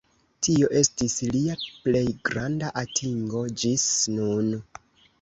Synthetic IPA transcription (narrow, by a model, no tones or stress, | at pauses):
tio̞ʔe̞stisliaple̞jɡɾandaʔatʰiŋɡo̞d͡ʒisnun